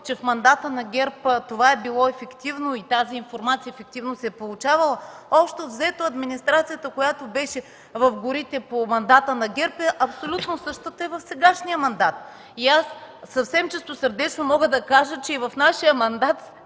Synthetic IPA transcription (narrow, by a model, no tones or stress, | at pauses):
t͡ʃɛfmɐnd̪at̪ənɐɡʲɛɾpət̪ovaɛbilˠɔɛfɛkt̪ivnoit̪aziːnfoɾmat̪sijəɛfɛk̚t̪ivnosɛɛpolˠut͡ʃavɐlˠəɔpʃt̪ovzɛt̪oɐd̪minist̪ɾat̪sijət̪əkojat̪obɛʃɛ | vɐfɡʊɾit̪ɛpomɐnd̪at̪ənɐɡʲɛɾpɛʔɐpsolʲut̪nosɤʃt̪ət̪əɛvɐfsɛɡaʃnijəmɐnd̪at̪̚ | iasːɐfsɛmt͡ʃɛst̪osəɾd̪ɛt͡ʃnomɔɡəd̪ɐkaʒət͡ʃɛivɐfnaʃijəmɐnd̪at̪